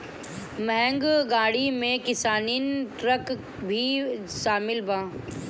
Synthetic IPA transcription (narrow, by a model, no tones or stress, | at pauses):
məɦɛ̃ŋɡɡaːɽimẽkɪsaːniːnʈɾək | bʱiː | ʃaːmɪlbãː